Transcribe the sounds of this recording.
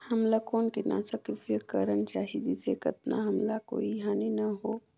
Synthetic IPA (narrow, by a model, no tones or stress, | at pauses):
hɐmlakoːnkina̰ːsəkɪfikəɾənt͡ʃaːɦid͡ʒɪsekɐt̪̚na̰ɦɐmlako̰ːiɦaːninɐɦo